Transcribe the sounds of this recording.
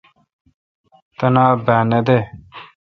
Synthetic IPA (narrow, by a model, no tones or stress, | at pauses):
t̪ɐnabaːned̪e